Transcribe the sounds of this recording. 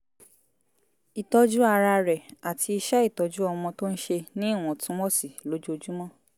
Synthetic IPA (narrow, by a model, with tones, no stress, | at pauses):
i˨tɔ˧d͡ʒu˦a˧ɾa˧ɾɛ˨a˨tʰi˧i˧ʃɛ˦i˦˨tɔ˨d͡ʒu˦ɔ˧mɔ̃˧to˦n̩˦ʃe˧nĩ˦i˦˨w̃ɔ̃˨tũ˦wɔ˦si˦˨lo˨˦d͡ʒo˧d͡ʒu˦mɔ̃˦